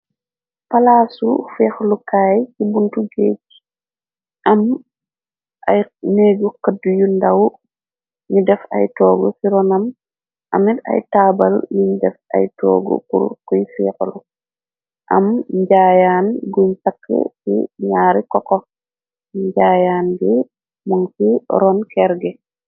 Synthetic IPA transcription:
palaːsufiːxlukaːjkibuntuɡeːɟ̚ | ʔɐm | ʔajneːɡukədujundaw | ɲudɛfa̰jtɔːɡɔsiɾɔnɐm | ʔa̰mita̰jtaːbaljuɲdɛfa̰jtɔ̰ːɡɔ̰kṵɾkujfiklu | ʔɐmɲɟaːjaːnɡuɲsakːɛ̰sḭɲaːɾikɔkɔ | ɲɟaːjaːnɡi | muŋkiɾɔnkɛɾɡɛ

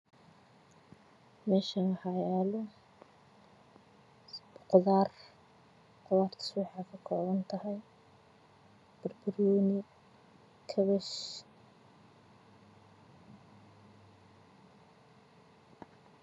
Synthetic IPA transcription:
mɛːʃɐnɐhɑjalɔ | b̥ʊqɔðaːr | qʊwaːrt̪ʰʊ̥swɑħɑːkʰɐkʰɔːβɐnt̪ʰɐɦɛj | b̥ɐrbɐrjɔːnɪ | kʰɐβɛʃ

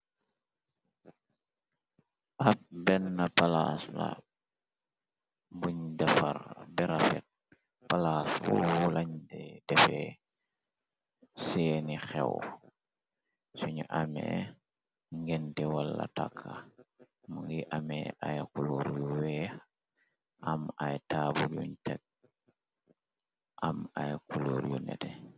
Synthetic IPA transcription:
ʔap̚bɛnːapalasla | buɲɟafaɾbɛɾafɛ̰t̚ | palaswuulaɲdɛdɛfɛ | sɛnixɛw | suɲuʔamḛ | ŋɡɛntɛwalːa̰takʰːa | muŋɡiʔamɛajkuluɾjuwɛx | ʔamajtabujuɲtɛk̚ | ʔamajkuluɾjunɛ̰tɛ

